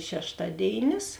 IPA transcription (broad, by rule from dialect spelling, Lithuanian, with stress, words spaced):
ʃʲɛʃˈtɑːˌdʲeːɪnʲɪs